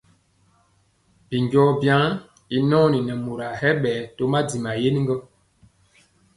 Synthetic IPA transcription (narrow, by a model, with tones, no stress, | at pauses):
bi˨ɲɟɔ˦bja˦ | i˦nɔ̃ː˦ni˨nɛ˨mu˨ɾa˨hɛ˦ɓɛː˨˦to˦ma˦di˨ma˨je˦ni˦ŋɡɔ˦